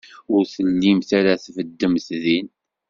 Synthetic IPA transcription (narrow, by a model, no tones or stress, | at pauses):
ʊɾθəlːimθaɾaθfəd̪ːəmθðin